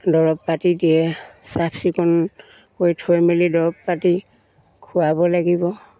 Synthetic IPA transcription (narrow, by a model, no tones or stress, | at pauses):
dɔɹɔpːatidiɛsapʰsikɔn | kojtʰojmelidɔɹɔpːati | kʰuabɔlaɡibɔ